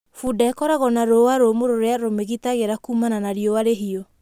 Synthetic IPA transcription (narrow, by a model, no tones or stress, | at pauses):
fudakɔɾaɣɔnaɾowaɾomoɾoɾeaɾomeɣitaɣeɾakumananaɾiɔwaɾeɦiɔ